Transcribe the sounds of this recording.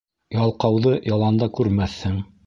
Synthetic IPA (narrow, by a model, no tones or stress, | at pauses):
jɑlˠqɑwðɤjɑlˠɑnd̪ɑkʉɾmæθhɘŋ